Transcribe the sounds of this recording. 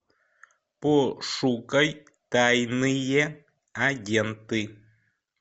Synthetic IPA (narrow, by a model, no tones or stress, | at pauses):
pɔʂukəj | tajnɨjɛ | aɟɛntɨ